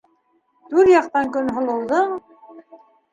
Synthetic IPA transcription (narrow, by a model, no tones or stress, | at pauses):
t̪ʉɾjɑqt̪ɑŋkɵnɦŏlˠŏlˠd̪ɤɴ